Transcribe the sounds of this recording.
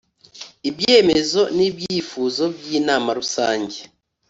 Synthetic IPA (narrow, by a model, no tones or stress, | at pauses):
ibje̞ːme̞zo̞nibjiːfuːzo̞bjiːnaːmaɾusaːɲɟe